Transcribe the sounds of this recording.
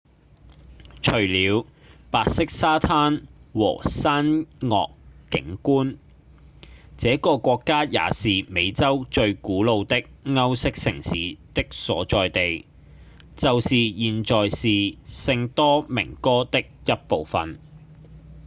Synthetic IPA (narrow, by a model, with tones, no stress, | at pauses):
t͡ʃʰɵ˨˩ɥliː˨˧w | paː˨t̚sɪ˥k̚saː˥t̪ʰaː˥nwɔ̰ː˨˩saː˥nŋɔ̰ː˨kːɪ̰˨˥ŋkuː˥n | t͡sɛː˨˥kɔː˧kʷɔː˧kːaː˥ja̰ː˨˧siː˨me˨˧jt͡sɐ˥wt͡ʃɵ˧ɥkuː˨˥lo˨˧wt̪ɪ˥k̚ŋɐ˥wsɪ˥k̚sɪ˨˩ŋsiː˨˥t̪ɪ˥k̚sɔː˨˥t͡ʃɔː˨jt̪e˨j | t͡sɐ˨wsiː˨jiː˨nt͡ʃɔː˨jsiː˨sɪ˧ŋt̪ɔː˥mɪ̰˨˩ŋkɔː˥t̪ɪ˥k̚jɐ˥t̚po˨wfɐ̰˨n